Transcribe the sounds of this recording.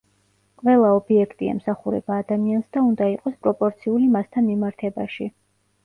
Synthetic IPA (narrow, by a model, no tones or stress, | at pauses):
qʼvɛlˠaɔbiɛkʰt̪ʼiɛ̰msaχuɾɛ̰baːd̪amiansd̪aund̪aiqʼɔspʼɾɔpʼɔɾt̪sʰiulimast̪ʰanmimaɾt̪ʰɛba̰ʃi